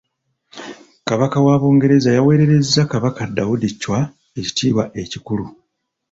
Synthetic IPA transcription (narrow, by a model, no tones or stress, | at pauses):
kaβakawaːβo̞ːŋɡe̞ɾe̞zajawe̞ːɾe̞ɾe̞zːakaβakadːawudicːwa | e̞ci̥tʰiːβaʔe̞cikulu